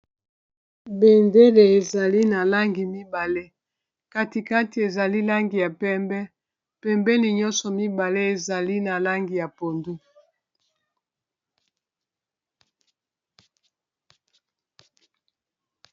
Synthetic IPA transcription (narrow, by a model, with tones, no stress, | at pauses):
be˨nde˦le˨e˨za˨li˦na˨la˦ŋɡi˨mi˦ba˨le˦ | ka˦ti˨ka˦ti˨e˨za˨li˦la˦ŋɡi˨ja˨pɛ˦mbɛ˦ | pɛ˦mbɛ˦li˨ɲɔ˦nsɔ˨mi˦ba˨le˦e˨za˨li˦na˨la˦ŋɡi˨ja˨po˨ndu˦